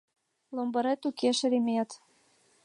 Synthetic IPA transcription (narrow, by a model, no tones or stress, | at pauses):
lombɤ̆ɾet̪ukʰeʃĕɾimeɑt̪